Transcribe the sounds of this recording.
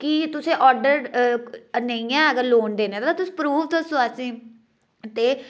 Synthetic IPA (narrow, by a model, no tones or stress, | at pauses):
kit̪ʊsẽːʔɔːɾɖəɾ | nəijãːəɡəɾloːnd̪eːnẽːt̪ːt̪aːt̪ʊsĩːpɾuːʋt̪osoasĩː | t̪eː